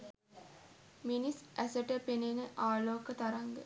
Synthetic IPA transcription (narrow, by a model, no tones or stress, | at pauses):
minisʔæsəʈəpenenəʔaːloːkət̪aɾaŋɡ̪ə